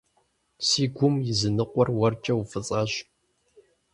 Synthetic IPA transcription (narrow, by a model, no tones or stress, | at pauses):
siːɡʷʊmjɪzɨnɨqʷɔrwɐrt͡ʃʼɐwfɨt͡sʼɐɕ